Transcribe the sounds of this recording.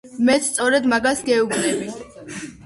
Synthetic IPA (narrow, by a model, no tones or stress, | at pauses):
mɛt̪st̪sʼɔɾɛd̪maɡasɡɛubnɛbi